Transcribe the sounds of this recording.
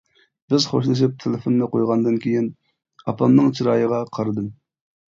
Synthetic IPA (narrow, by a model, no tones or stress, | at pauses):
b̥ɪzχoʃlˠɨʃ̬ip̚t̪ʰelɪfonːɨqʰojʁɑnd̪ɨnkʲʰejin | ɑpʰɑmnɨŋt͡ʃʰiɾɑːjəʁɑqʰɑɾɨd̪ɨm